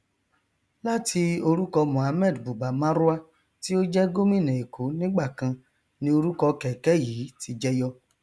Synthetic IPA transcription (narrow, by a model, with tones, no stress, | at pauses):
la˦tʰi˧o˧ɾu˦kɔ˧mɔ̃˨a˧mɛ˦˨dbu˨ɡ͡ba˨mã˦ɾu˦a˦ | ti˦o˦d͡ʒɛ˦ɡo˦mĩ˦˨nɛ̃˨e˨kʰo˨˦nĩ˦ɡ͡ba˦˨kã˧ | nĩ˧˦o˧ɾu˦kɔ˧kɛ˨kɛ˨˦jiː˨˦ti˧d͡ʒɛ˦jɔ˧